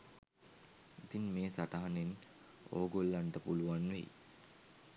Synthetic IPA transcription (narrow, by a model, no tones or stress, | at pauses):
it̪inmeːsaʈaɦanen | o̰ːɡolːaɳʈəpuluʋanʋḛj̰